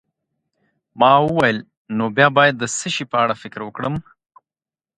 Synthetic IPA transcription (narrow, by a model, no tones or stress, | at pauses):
mɑwəwajəl | nobjɑbɑjad̪ːəsəʃipəaɽafɪkɾwəkɽəm